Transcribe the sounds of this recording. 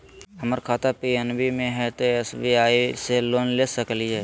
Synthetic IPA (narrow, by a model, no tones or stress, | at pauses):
əməɾkʰaːt̪apiɛnbimẽɦɛt̪oɛsbiaːiseloːnlesəkliɦɛː